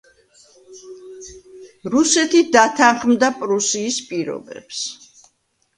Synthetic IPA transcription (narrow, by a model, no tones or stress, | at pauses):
ɾusɛt̪ʰid̪at̪ʰaχmd̪apʼɾusiːspʼiɾɔ̰bɛ̰ps